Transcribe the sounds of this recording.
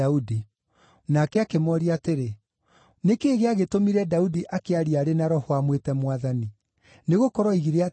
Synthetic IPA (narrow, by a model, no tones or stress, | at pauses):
audi | nakɛakemɔɾiateɾe | nekeːɣeaɣetomiɾɛdaudiʔakeaɾiaɾenaɾɔhwamwetɛmwaðani | neɣokɔɾɔiɣiɾea